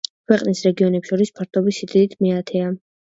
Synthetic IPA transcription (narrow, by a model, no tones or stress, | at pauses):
kʰwɛqʼnisɾɛɡiɔnɛpʃɔɾispʰaɾt̪ʰɔbisid̪id̪it̪ʰmiat̪ʰɛa